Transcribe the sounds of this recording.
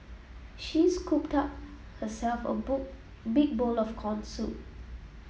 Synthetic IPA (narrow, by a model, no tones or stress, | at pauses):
ʃiskʰup̚tap̚ | həsɛlfə̰b | bik̚bolɔfkʰɔ̃nsut̚